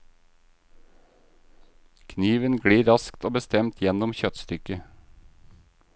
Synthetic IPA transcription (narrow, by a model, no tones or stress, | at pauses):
kʰniːʋənɡɽiːɾɑskt̪oːbəst̪ɛmt̪ʰjɛnɔmçœt̪st̪ʏkə